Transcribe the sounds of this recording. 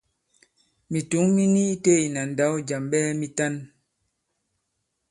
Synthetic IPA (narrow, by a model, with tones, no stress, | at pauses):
mi˨tu˨˦ŋmi˦ni˦i˦te˦i˨na˨n˨da˨˦wd͡ʒa˨mɓɛː˦mi˦ta˦n